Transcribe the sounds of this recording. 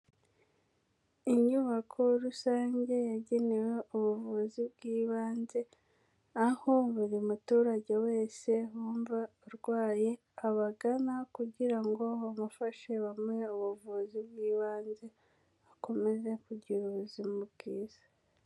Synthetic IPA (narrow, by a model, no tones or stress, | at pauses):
iɲuβakʰo̞ɾusaːɲɟe̞jaɟe̞ne̞we̞uβuvuːzibɡiːβaːnze̞ | ahoβuɾimutuːɾaɟe̞we̞ːse̞wuːɱvauɾɡwaːje̞ | aβaɡanakuɟiɾaŋɡo̞βamufaʃe̞βamŋe̞uβuvuːzibɡiːβaːnze̞ | ako̞me̞ze̞kuɟiɾuzimubɡiːz̥ḁ